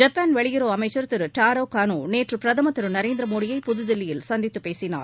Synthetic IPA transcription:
d͡ʒɐpːaːnʋɐɭɪjɪɾoːɐmɐɪt͡ʃːɐɾt̪ːɪɾɯʈaːɾoːkaːnuːneːʈrɯpɪɾɐðɐmɐt̪ːɪɾɯnɐɾeːnd̪ɪɾɐmoːɽɪjɐɪpʊðɯðɪlːɪjɪlsɐnd̪ɪt̪ːɯpːeːsɪna̰ːɾ

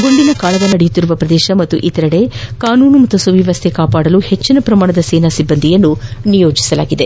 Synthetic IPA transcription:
ɡo̞nd̪inɐkaːlɐɡɐnɐɽejut̪ːiɾuʋɐpɾɐd̪ɛːʃɐmɐt̪ːuʔit̪ɐɾɐɽe̞kaːnuːnumɐt̪ːɐsɐʋjiʋɐst̪ʰekaːpaːɽɐluhet͡ʃːinɐpɾɐmaːɳɐd̪ɐseːnasibːɐnd̪ʱijɐnːunijo̞ːd͡ʒisɐla̰ːɡid̪e̞

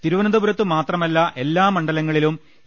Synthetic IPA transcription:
t̪iɾuʋɐnɐd̪ɐbuɾɐt̪ːɨmaːt̪rɐmɐlːɐʔe̞lːaːmɐɳɖɐlɐŋːɐɭilum

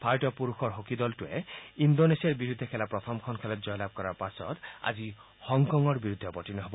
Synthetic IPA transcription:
pʰaɹtɔpuɹuxʰɔɹɦokid̪ɔltuɛindonesiaɹbiɹud̪ʱːɛkʰɛlapɹɔt̪ʰɔmkʰɔnkʰɛlɔtzɔjlab̚kɔɹaɹpasɔ̰t̪a̰zi | hɔŋkɔŋɔɹbiɹud̪ʱːɛpɔtinɔɦobɔ

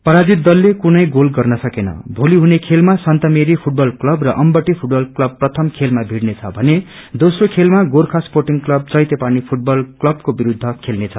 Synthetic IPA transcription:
pʌɾad͡zit̪̚dːʌlːekunʌjɡolɡʌrnʌsʌkenʌ̰bʱoliɦunekʰelmasʌnt̪ʌmeɾipʰuʈ̚bʌlklʌbrʌʔʌmbʌʈːipʰuʈ̚bʌlklʌb̚prʌt̪ʰʌmkʰelmabʱiɽnet͡sʰʌbʱʌne | d̪osrokʰelmaɡorkʰasporʈiŋɡklʌb̚t͡sʌjt̪epanipʰuʈ̚bʌlklʌb̚kobiɾud̪ʱːʌkʰelnet͡sʰʌ

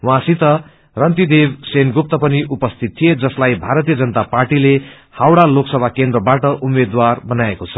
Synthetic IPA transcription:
wãsit̪ʌ | rʌnt̪id̪ebsenɡup̚t̪ʌpʌniʔupʌst̪ʰit̪̚tʰːied͡zʌslajbʱaɾʌt̪̬ijʌd͡zʌnət̪aparʈile | hawɽaloksʌbʱakend̪rʌbaʈʌʔumed̪warbʌnaekot͡sʰʌ̥

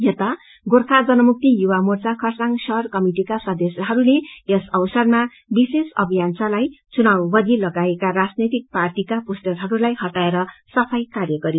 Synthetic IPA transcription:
jet̪a | ɡorkʰad͡zʌnʌmuk̚t̪ijuwamort͡sakʰʌrsaŋsʌɦʌrkʌmiʈikasʌd̪esjʌɦʌɾuleesʌwsʌrma | bisesʌbʱijansalajt͡sunawbʌd̪ʱilʌɡaekaɾad͡znʌt̪ik̚parʈikapusʈʌɾɦʌɾulajhʌʈaeɾʌsʌpʰʌjkarjʌɡʌɾi

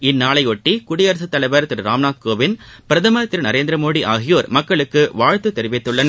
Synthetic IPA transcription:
ɪnːaːɭɐɪɔʈːikʊɽɪjɐɾɐsɯt̪ːɐlɐɪbeːɾɐt̪ːɪɾɾaːmnaːd̪̚koːʋɪn | pɪɾɐðɐmɐɐt̪ːɪɾnɐɾeːnd̪ɪɾɐmoːɽiʔaːɣɪjoːɾmɐkːɐɭɯkːɯʋaːɻt̪ːɯt̪ːɛɾɪʋɪt̪ːɯɭːɐn

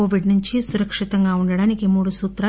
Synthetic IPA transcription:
oːʋiɖnuɲt͡ʃisuɾɐkʂit̪ɐŋɡaːuɳɖɐɽaːnikimuːɽusuːt̪ɾaː

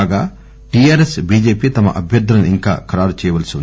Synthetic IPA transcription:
ɡaː | ʈiaːɾesbiːd͡ʒeːpiːt̪ɐmɐ̰ʔɐbʱjɐɾd̪ɾɐnuiŋka̰ːkɐɾaːɾut͡ʃɛːjɐʋɐlsin

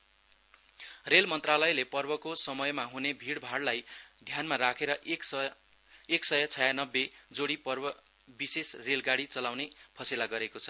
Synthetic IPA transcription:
relmʌnt̪ralʌjlepʌrbʌkosʌmʌjmaɦunebʱiɽbʱaɽlajd̪ʱjanmarakʰeɾʌʔk | eksʌjʌt͡sʰʌjanʌbːed͡zoɽipʌrbʌ | bisesrelɡaɽit͡sʌlawnepʰʌsilaɡʌɾekot͡sʰʌ̥

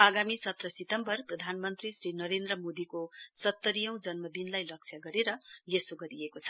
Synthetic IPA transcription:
aɡamisʌt̪rʌsit̪ʌmbʌrprʌd̪ʱanmʌnt̪risɾinʌɾend̪rʌmod̪ikosʌt̪ːʌɾijʌw̃d͡zʌnmʌbinlajlʌksʰjaɡʌɾeɾʌjesoɡʌɾiekot͡sʰʌ̥

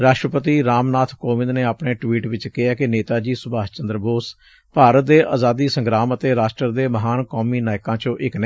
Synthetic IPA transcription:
ɾaːʃʈɾəpət̪iːɾaːmnaːt̪ʰkoːʋɪ̃nd̪neːapɳeːʈʋiːʈʋɪt͡ʃkɪaːkɪneːt̪aːd͡ʒiːsʊbaːt͡ʃənd̪ɾəboːs | paːɾət̪̚d̪eːʔaːzaːd̪iːsəŋɡɾaːmət̪eːɾaːʃʈɾəɾd̪eːməɦaːnkɔːmiːnaːjkãːt͡ʃõːʔɪknə

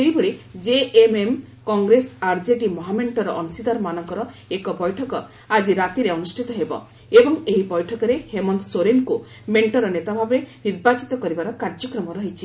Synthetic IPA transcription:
ejbɔɽid͡ʒeemem | kɔŋɡɾesaɾd͡ʒeɖimɔɦameɳʈɔɾɔʔɔnsid̪aɾɔmanɔŋkɔɾɔ | ekɔbɔjʈʰɔkɔ | ad͡ʒiɾat̪iɾeɔnusʈʰit̪ɔɦebɔ̰ | ebɔŋeɦibɔjʈʰɔkɔɾehemɔnd̪soɾenku | meɳʈɔɾɔnet̪abʱabeniɾbat͡ʃit̪ɔkɔɾibaɾɔkaɾd͡ʒɔkɾɔmɔɾɔɦit͡ʃʰi

